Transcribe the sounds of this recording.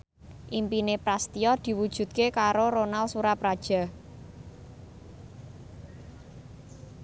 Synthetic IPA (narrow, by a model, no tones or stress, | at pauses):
ʔimpinepɾast̪iɔd̪̥i̤wud̥ʒ̥ṳt̪̚kekaɾoɾonalsuɾapɾad̥ʒ̥a̤